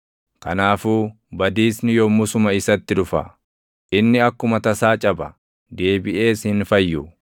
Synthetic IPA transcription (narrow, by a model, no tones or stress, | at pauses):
kɐnaːfuː | bɐd̪iːsnɪjɔmʊsʊmɐɪsɐt̪ːɪᶑʊfɐ̰ | ʔɪnːɪɐkːʊmɐt̪ɐsaːt͡ʃʼɐbɐ | d̪e̞ːbɪʔe̞ːshɪnfɐjːʊ